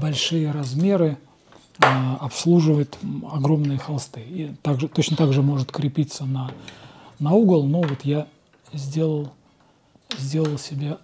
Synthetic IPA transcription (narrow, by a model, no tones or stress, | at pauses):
bɐlʲʂɨjəɾɐzmʲe̞ɾɨ | ɐpslˠuʐɨvəjʊt̪ɐɡɾo̞mnɨjəxɐlˠst̪ɨit̪aɡʐɨt̪o̞t͡ɕnət̪aɡʐɨmo̞ʐɨt̪kɾʲɪpʲit̪sənɐ | nɐuɡəlˠnovo̞t̪ja | zʲdʲe̞lˠəlˠ | zʲdʲe̞lˠəlˠsʲɪbʲa